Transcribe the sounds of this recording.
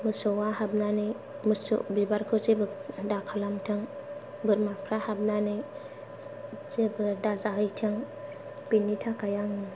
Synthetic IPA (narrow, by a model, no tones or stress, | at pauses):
musowahabnane | muso̰bibaɾkot͡ʃebədakʰalamtəŋ | bəɾmapɾahabnane | ebədazahətʰaŋ | b̥inːitʰakajaŋə